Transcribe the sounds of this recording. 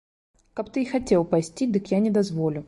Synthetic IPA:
kapt̪ɨixɐtʲelˠpɐsʲtʲid̪ɨkjanʲɪd̪ɐzvolʲʊ

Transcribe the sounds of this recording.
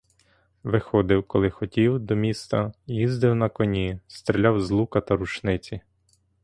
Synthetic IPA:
ʋɪxɔd̪ɪwkɔlˠɪxɔtʲiwd̪ɔmʲist̪ɐjizd̪ɪwnɐkɔnʲist̪ɾʲelʲɑwzlˠukɐt̪ɐɾut͡ʃnɪt͡sʲi

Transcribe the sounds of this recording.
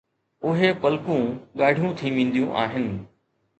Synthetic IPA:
ʊɦepəlkũːɠaːɽʱijũt̪ʰiʋẽːn̆d̪ijũʔa̰ːɦɪnɪ̆

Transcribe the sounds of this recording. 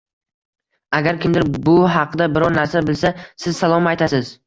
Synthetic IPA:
aɡʲaɾkʲɪmd̪ɪɾbʊɦɑqʰɨd̪abɪɾɒɾnaɾsabɪlsasɪz̥salˠɒmajt̪ʰasɪz

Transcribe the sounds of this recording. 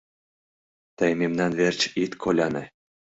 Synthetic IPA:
t̪əjmʲemnɑnvert͡ɕit̪kʰolʲɑnɤ̰̆

